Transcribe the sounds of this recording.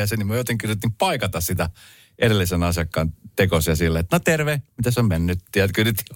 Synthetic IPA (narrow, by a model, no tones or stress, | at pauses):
ɑsenːimyøjot̪eŋkirjut̪ːimpɑikɑt̪ɑssit̪æ | ʔeɾelːisenɑsiɑkːɑnt̪ekosjɑsilːet̪not̪erʋehmit̪æsommenːyt̪t̪iæt̪kyryt̪ːi